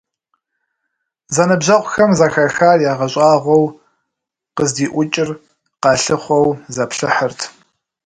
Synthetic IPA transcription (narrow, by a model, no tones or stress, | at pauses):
zɐnɨbʑɐʁʷʊxɐmzɐxɐxaːrjaːʁɐɕʼɑːʁʷɔw | qəzdiːʔʷʊt͡ʃʼɪr | qɑːɬɨχʷɔwzɐpɬɨħərtʰ